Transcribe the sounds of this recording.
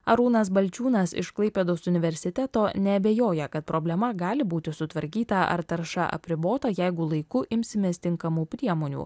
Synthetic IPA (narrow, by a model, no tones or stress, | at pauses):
ɐɾuːnɐsbɐlʲt͡ʃʲuːnɐsɪ̰ʃklˠɐɪpʲeːd̪oːsʊnʲɪʋʲɛɾʲsʲɪt̪ʲɛt̪oːnʲɛbʲeːjoːjɛkɐt̪̚pɾoːbʲlʲɛmɐɡɑːlʲɪbuːt̪ʲɪsʊt̪ʋɐɾʲkʲiːt̪ɐʔɐ̰ɾt̪ɐɾʃɐ̰ʔɐ̰pʲɾʲɪboːt̪ɐjɛɪɡʊlˠɐɪkʊʔɪmʲsʲɪmʲeːst̪ʲɪŋkɐmuːpʲɾʲiɛmoːnʲṵː